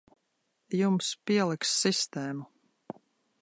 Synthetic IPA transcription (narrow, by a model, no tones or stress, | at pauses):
jumspiɛlˠiksːist̪ɛːmu